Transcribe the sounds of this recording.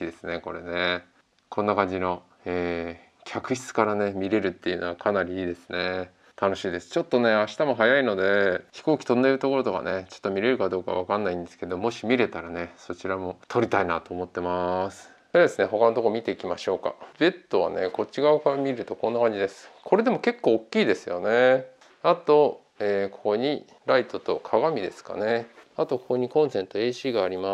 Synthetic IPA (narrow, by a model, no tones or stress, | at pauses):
id̪e̞sɨne̞ko̞ɾe̞̰ne | kʰõ̞nːakãɲ̟d͡ʑino̞ | eː | kʲʰakɯ̟çi̥t͡sɨ̥kaɾane̞mʲiɾe̞ɾɯ̟t̪ːe̞jɯ̟no̞βakʰanaɾʲiiːd̪e̞sɨ̥ne̞ | t̪ano̞ɕiːd̪e̞sɨ̥t͡ɕo̞t̪ːo̞ne̞aɕi̥t̪amo̞ɦajaino̞d̪e̞çi̥ko̞ːkʲi̥t̪o̞nd̪eɾɯ̟t̪o̞ko̞ɾo̞t̪o̞ka̰ne̞t͡ɕo̞̥t̪ːo̞mʲiɾe̞ɾɯ̟kad̪o̞ːka̰βakanːaĩnd̪e̞sɨ̥ke̞d̪omo̞ɕimʲiɾe̞t̪aɾane̞so̞t͡ɕiɾamo̞t̪ʰo̞ɾʲit̪aina̰t̪o̞ːmo̞t̪ːe̞masɨ̥ed̪e̞sɨne̞ɦo̞kano̞t̪okomʲit̪e̞ikʲimaɕo̞ːka̰be̞t̪ːo̞β̞a̰ne̞̰ko̞t͡ɕiɡaɯkaamʲiɾɯ̟t̪o̞konːakãɲd͡ʑid̪e̞sɨ̥kʰo̞ɾe̞d̪e̞mo̞ke̞kːo̞ːkʲːiːd̪e̞sɨjo̞ne̞ | at̪o̞ | eːko̞koɲ̟i | ɾait̪o̞t̪o̞kʰaɡamʲid̪e̞sɨ̥ka̰ne̞at̪o̞kokoɲ̟ikõɰ̃sẽ̞nt̪o̞e̞ːɕiːɡaːɾʲima